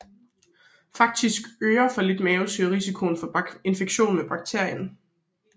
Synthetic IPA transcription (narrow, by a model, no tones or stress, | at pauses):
fɑ̈ɡ̥̚d̥isɡ̥øːɐfɒ̽le̝d̥mɛːʊsyʁisikʰo̝nfɒ̽e̝nfeɡ̥ɕo̝̰ːnmeb̥ɑ̈ɡ̥̚t͡sʰe̝ɐ̰jən